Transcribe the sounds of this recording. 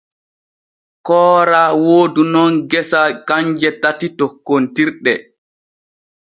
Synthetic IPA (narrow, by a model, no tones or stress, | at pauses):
kɔːɾawoːdunɔnɡɛsakaɲd͡ʒɛtatitɔkːontiɾɗɛ